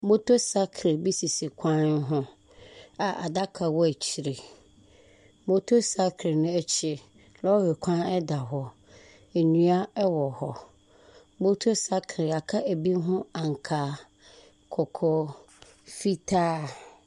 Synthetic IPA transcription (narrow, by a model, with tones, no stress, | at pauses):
bo˦tʰo˦sa˦kʰɾe˨bi˦si˨si˨kʷʰã˦n˦ɦʊ̃˦ | a˨ʔa̰˨da˦kʰa˨wɔ˦æ˨t͡ɕʰi˨ɾe˨ | bo˦tʰo˦sa˦kʰɾɪ˨nʊ̃˦ɛ˦t͡ɕʰɪ˦ | lɔ˦he˨kʷʰã˦nɛ˦da˨ɦɔ˨ | ɛ˨ɲũ˦a˦ɛ˦wɔ˨hɔ˨ | bo˦tʰo˦sa˦kʰɾɪ˨a˨kʰa˦ʔæ˨bi˦ɦʊ̃˦ã˨ŋ˨kʰaː˨˦ | kʰɔ˨kʰɔ˦ | fi˦tʰaː˦